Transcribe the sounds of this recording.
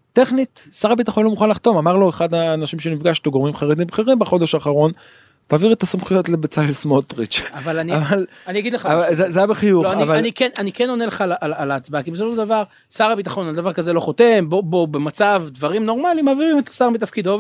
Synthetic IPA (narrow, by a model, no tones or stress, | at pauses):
t̪e̞χnit̪saʁabit̪̬aχonlomuχanlaχt̪o̞mamaʁloeχad̪aːnaʃimʃenifɡaʃtoɡomimχaʁed̪imbeχeʁimbaχo̞d̪eʃaːχaʁo̞n | t̪aːviʁet̪asamχujo̞tlebet͡salsmot̪ʁit͡ʃavalaniaval | anijaɡid̪leχaazezajabeχijuloaniavalanikenʔanikeno̞neleχalaʔalalaːt͡sbakibesofoʃeld̪avaʁ | saʁabit̪aχo̞nald̪avaʁkazelo̞χo̞t̪e̞mbobobemat͡savd̪vaʁimno̞ʁmalimaːviʁimet̪ḁsaʁmit̪̬afkid̪o